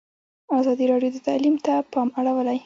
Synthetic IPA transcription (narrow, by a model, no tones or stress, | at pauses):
azɑd̪iɾɑɖjod̪ət̪a̰limt̪apɑmaɽawəlaj